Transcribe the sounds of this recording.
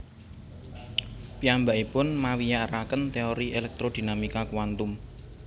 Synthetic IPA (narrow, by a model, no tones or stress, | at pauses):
piambaʔipʊnmawijaʔɾakənt̪eɔɾiʔelɛk̚t̪ɾod̪̥i̤namikakuwant̪ʊm